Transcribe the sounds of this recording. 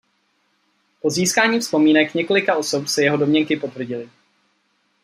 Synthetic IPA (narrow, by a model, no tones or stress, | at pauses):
po̞ziːskaːɲiːfspo̞miːnɛkɲɛko̞lɪkaʔo̞so̞psɛjɛɦo̞do̞mɲɛŋkɪpo̞t̪vr̩ɟɪlɪ